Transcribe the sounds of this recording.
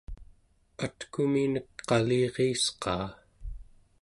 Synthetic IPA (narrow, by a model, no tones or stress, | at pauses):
at̪kuminəkqɑliːʁiːsqɑ̰ː